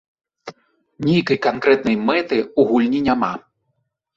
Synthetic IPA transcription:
nʲejkɐjkankɾɛt̪nɐjmɛt̪ɨuɣulʲnʲinʲama

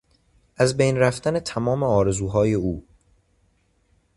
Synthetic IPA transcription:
ʔæzbejnræft̪æne̞t̪ʰæmɒːme̞ɒːɾe̞zuːɦɒːje̞uː

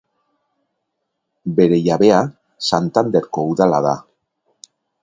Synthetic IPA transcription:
be̞ɾe̞jaβe̞a | sant̪and̪e̞ɾko̞uðalaða

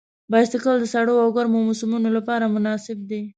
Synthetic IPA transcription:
bɑjast̪əkəld̪əsaɽowawɡaɾmowmosʊmunolapɑɾamʊnɑsɪb̚d̪e

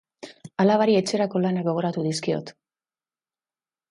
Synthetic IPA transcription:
alaβaɾie̞t͡ʃe̞ɾako̞lanakɡo̞β̞o̞ɾat̪uðiskio̞̰t̪

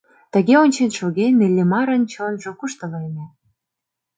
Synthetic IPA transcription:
t̪ə̆ɣeonʲt͡ɕenʃoɣenelʲːemɑɾə̆nt͡ɕonʒokuʃt̪ə̆lɤjnʲĕ

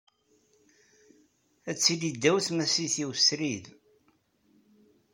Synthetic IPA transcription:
æt͡sːilid̪ːæwθmæsiθiwsɾið

